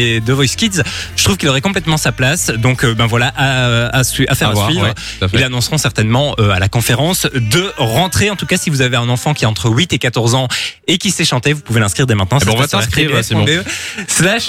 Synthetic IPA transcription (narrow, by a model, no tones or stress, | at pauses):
ed̪əvɔjskʲit̪zʒ̥ət̪χuvkʲilɔʁɛkɔ̃p̬lɛt̪mɑ̃saplasd̪ɔ̃købɛ̃vwalaʔaøasɥiʔafɛʁavasɥivʁə | t̪ilːanɔ̃sʁɔ̃sɛʁt̪ɛnmɑ̃øalakɔ̃feʁɑ̃sd̪əʁɑ̃t̪χeɑ̃t̪ukasivuzaveɛ̃nɑ̃fɑ̃kʲiaɑ̃t̪χəwit̪ekat̪ɔʁzɑ̃ekʲisɛʃɑ̃t̪evupuvelɛ̃skχiʁd̪emɛ̃t̪̚nɑ̃ɛskχiseøslaʃ